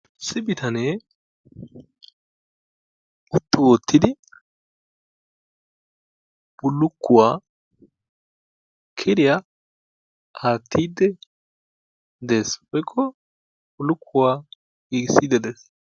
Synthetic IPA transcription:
sɪbɪt̪ʰɐne | ʔʊt̪ːʊwɔt̪ʰːɪd̪ɪ | b̥ʊlːʊkːʊwaː | kʰɪɾɪja | haːt̪ʰːiːd̪ːɛ | d̪e̞ːswɔjkʰːɔ | bʊlːʊkʰːʊwaː | ɡiːɡɪsːiːd̪ːɛd̪es

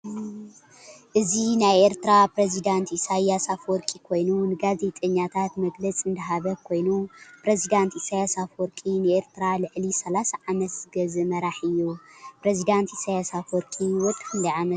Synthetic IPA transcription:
ʔɨzinajeɾt̪ʰɾapɾezid̪ant̪isajasafwɔɾkʼikʰo̞jnunɨɡaze̞t̪ʼɐɲːat̪ʰat̪mɐɡlɐt͡sʼɨnd̪ɐɦaβɐkʰo̞jnupɾezid̪ant̪isajasafwɔɾkʼinɨeɾt̪ʰɾalɨʕlisɐlasaʕamɐt̪z̥ɨɡɐzɨmɐɾaħɨjːupɾezid̪ant̪isajasafwɔɾkʼiwɔt̪ʼkɨnd̪ɐjʕamɐt̪

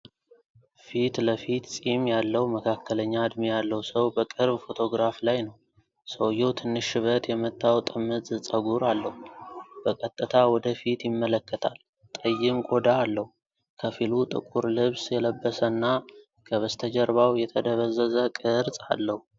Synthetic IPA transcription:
fit̪ləfit̪sʼimjalːəhuməkʰakʰːələɲːad̪mijalːəwsəwbəkʼɨɾbfo̞t̪ʰo̞ɡɾaflajnəw | səwjɛwt̪ʰɨnːɨʃːɨβət̪jɛmət̪ʰʼːawt̪ʼɨmːɨt̪zɨsʼəɡuɾalːəhub̥əkʼət̪ʼːɨt̪ʰawɔd̪əfit̪jɪmːələkːət̪ʰal | t̪ʼəjːɪmkʼo̞d̪aːlːəhu | kʰəfilut̪ʼɨ̰kʼuɾlɨβsjɛləbːəsənːa | kʰəβəst̪ʰəd͡ʒəɾβawjɛt̪ʰəd̪əβəzːəzəkʼɨɾsʼa̰lːəhu

